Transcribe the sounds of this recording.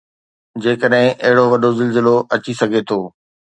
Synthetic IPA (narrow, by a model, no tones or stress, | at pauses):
d͡ʑeːkəɗɦɪ̃ʔɐɦɪɽoʋɐɗozɪlzɪloʔɐt͡ɕisɐɡʱet̪ʰoː